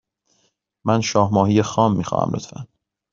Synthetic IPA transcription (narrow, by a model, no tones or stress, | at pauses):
mænʃɒːhmɒːhiːjexɒːmːiːxɒ̰ːhæ̰mlot̪fæ̰n